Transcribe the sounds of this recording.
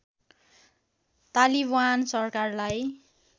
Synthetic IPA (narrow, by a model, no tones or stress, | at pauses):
t̪alibansʌrkarlaj